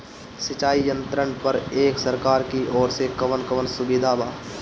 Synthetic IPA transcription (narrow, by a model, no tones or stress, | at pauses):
sɪt͡ʃaːijə̃nt̪ɾəɳpɐɾeːksɐɾkaːɾkiʔɔːɾsekɐʋənkɐʋənsʊbɪd̪ʱaːbaː